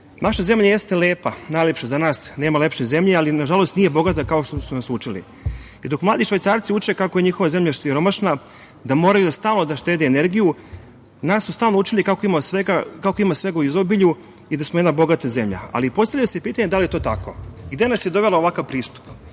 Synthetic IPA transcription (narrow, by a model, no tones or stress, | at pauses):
naʃaze̞mʎaje̞st̪ele̞ːpanajlʲepʃezanaːsne̞ːmale̞pʃeze̞mʎealinaʒalˠo̞st̪nije̞bo̞ɡat̪̬akao̞ʃt̪osunasut͡ʃilḭ | id̪o̞kmlaːd̪iʃʋajt̪saːɾt̪siut͡ʃe̞kakoje̞ɲiːxo̞ʋaze̞mʎasiɾo̞maʃna | d̪amo̞ɾajud̪ast̪aːlno̞d̪aʃt̪eːd̪eːneɾɡiju | nasːust̪aːlnout͡ʃilikakoimasʋeɡakakoimasʋe̞ɡauizobiʎu | id̪asmoed̪nabo̞ɡat̪aze̞mʎa̰a̰lipo̞st̪avʎasepiːt̪aɲe̞d̪alijet̪oːt̪ako̰ɡd̪enasjed̪o̞ʋe̞laoʋakaʋpɾiːst̪u̥p